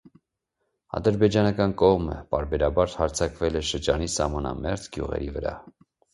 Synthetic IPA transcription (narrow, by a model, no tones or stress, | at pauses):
ɑ̰d̪əɾbɛd͡ʒɑnɑkɑnkɔʁmə̰pɑɾbɛɾɑbɑɾhɑɾt͡sʰɑkvɛlɛʃəɾd͡ʒɑnisɑhmɑnɑ̰mɛʁt͡sɡjṵʁɛ̰ɾivəɾɑ̰